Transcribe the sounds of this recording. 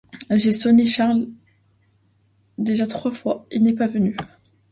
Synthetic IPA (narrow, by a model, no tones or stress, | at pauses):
ʒesɔneʃaʁl | d̪eʒat̪χwafwailnɛpavəny